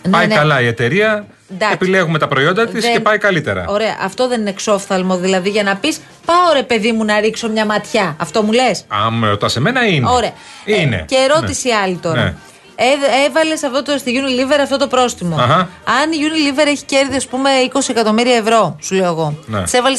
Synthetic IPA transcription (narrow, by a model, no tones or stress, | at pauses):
npɐjnkɐlɐie̞t̪e̞ɾiɐ | nd̪ɐepileɣume̞t̪ɐpɾoio̞nd̪ɐt̪iseepɐjkɐlit̪e̞ɾɐ̰o̞ɾe̞ɐ̰ʔɐft̪o̞ðe̞ninekso̞fθɐlmo̞ðilɐðiʝɐnɐpis | pɐoɾe̞pe̞ðimunɐɾikso̞mɲɐmɐt̪çɐɐft̪o̞mule̞sɐ̰meot̪ɐseme̞nɐinoɾe̞ɐ | inḛceːɾo̞nt̪isiɐlit̪o̞ɾɐ̰ | eevɐle̞sɐft̪ot̪ost̪iʝunilive̞ɾɐft̪o̞t̪o̞pɾo̞sθimo̞ɣɐ | ɐniʝunilive̞ɾe̞çi̥ce̞ɾðiɐspume̞iko̞siekɐt̪o̞miɾiɐevɾo̞suleoɐɣo̞nsevɐles